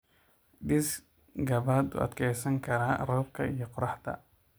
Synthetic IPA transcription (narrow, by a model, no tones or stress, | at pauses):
d̪ɪs | ɡɐβaːd̪ṵːɐ̰d̪kʰɛjsɐŋkʰɐɾaːrɔːb̚kʰɐijɞqʊɾɑħd̪ɐ̰